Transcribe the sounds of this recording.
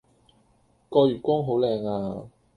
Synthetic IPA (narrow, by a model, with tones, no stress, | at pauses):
kɔː˧jyː˨˩kʷɔː˥ŋɦo˨˥wlɛː˧ŋaː˧